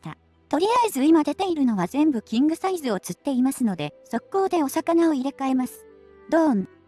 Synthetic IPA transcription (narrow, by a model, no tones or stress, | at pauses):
t̪a̰ | t̪o̞ɾʲiaezɨimad̪e̞t̪e̞iɾɯ̟no̞β̞azẽ̞mbɯ̟kʲĩŋɡɯ̟saizɨo̞t͡sɨt̪ːe̞imasɨno̞d̪e̞so̞kːo̞ːd̪e̞o̞sakanao̞iɾe̞kae̞masɨ̥ | d̪̥oːn